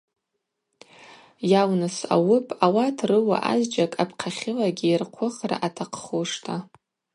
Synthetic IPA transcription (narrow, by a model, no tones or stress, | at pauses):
jawnɨsa̰wʊpʼawatʰrɨwa̰ʔa̰zd͡ʒakʼapʰqʲʰaχʲɪlaɡʲiirqʷʰʊχra̰ʔatʰaqʰχuʂtʰa